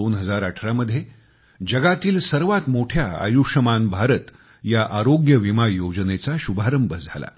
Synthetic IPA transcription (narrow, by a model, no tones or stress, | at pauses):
onɦəd͡zaɾəʈʰɾaməd̪ʱje | d͡ʑəɡat̪iːlsəɾʋat̪moʈʰjaa̰juʂəmanbʱaɾət̪ | jaʔaɾoɡjəʋimajod͡ʑənet͡saɕubʱaɾəmbəd͡zʱala̰